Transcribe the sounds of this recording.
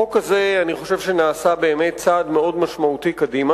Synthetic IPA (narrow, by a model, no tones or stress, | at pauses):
okaze̞aniχo̞ʃevʃenaːsabe̞ːme̞t̚t͡saːdme̞o̞dmaʃmautikadima